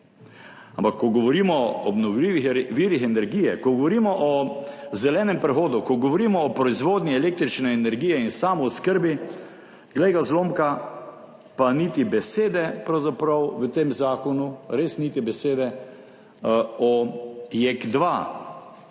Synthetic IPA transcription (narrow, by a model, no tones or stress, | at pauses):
ampakːɔɡɔʋɔɾiːmɔɔbnɔwliʋixʋiːɾixɛnɛɾɡiːjɛkɔɡɔʋɔɾiːmɔʔɔzɛlɛːnɛmpɾɛxoːd̪ukɔɡɔʋɔɾiːmɔːpɾɔizʋoːd̪niɛleːk̚t̪ɾit͡ʃnɛːnɛɾɡiːjɛinsaːmɔʊskəɾbi | ɡlɛjɡazloːmka | panit̪ibɛseːd̪ɛpɾawzapɾɐwʋət̪eːmzaːkɔnuɾesnit̪ibɛseːd̪ɛ | ɔjekd̪ʋa